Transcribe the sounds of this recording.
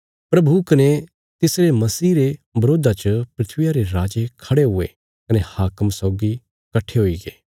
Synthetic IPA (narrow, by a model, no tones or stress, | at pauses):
pɾɐbukɐne | t̪ɪsɾemɐsiːɾebɐɾoːd̪ʱat͡ʃəpɾɪt̪ʰʋɪjaɾeɾaːd͡ʒekʰɐɽeɦʊḛ | kɐnehaːkəmsɔːɡi | kɐʈʰːeɦoiɡeː